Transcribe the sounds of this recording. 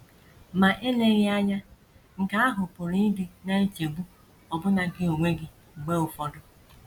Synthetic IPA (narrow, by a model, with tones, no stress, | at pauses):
ma˨ʔe˦ne˦ɣɪ˦a˦ɲa˦ | ŋ̩˨ka˦a˦ɦʊ˨pʊ˨ɾi˦dɪ˦na˦e˦t͡ʃe˨ɡ͡bu˦ | ɔ˨bʊ˦na˨ɡɪ˦o˨ŋʷe˦ɡɪ˨ | ɡ͡be˦ʊ˨fɔ˦dʊ˦